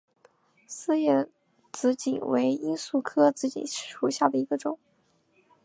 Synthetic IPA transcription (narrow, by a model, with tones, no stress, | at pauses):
sɹ̩˥˧jɛ˥˩ | t͡sɹ̩˧˥t͡ɕḭ˨˩nwe˧˥ɪi˥nsu˥˩kʰɤ˥t͡sɹ̩˧˥t͡ɕḭ˨˩n˨˥˩ʂu˧˥ɕja˥˩d̪ə˩i˧˥ɡə˧ʈ͡ʂʊ̰˨˩˦ŋ